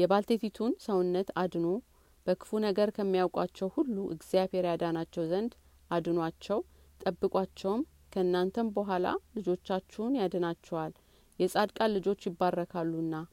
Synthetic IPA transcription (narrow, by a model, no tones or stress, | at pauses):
jɛbalt̪ʰet̪ʰit̪ʰunsəwʊnːət̪ad̪no | b̥əkʰɨ̥funəɡəɾkʰəmːijawkʼat͡ʃːɛwhulːuʔɨ̰ɡzijaβhe̞ɾjad̪anat͡ʃːɛwzənd̪ | ʔad̪ɨnwat͡ʃːɛw | t̪ʼəbːɨkʼwat͡ʃːɛwm | kʰəɨnːant̪ʰənbəɦʷala̰lɨd͡ʒo̞t͡ʃːat͡ʃːɛnjad̪ənat͡ʃːɛwal | jɛsʼad̪kʼalɨd͡ʒo̞t͡ʃːjɪbːarːəkʰalːuɨnːa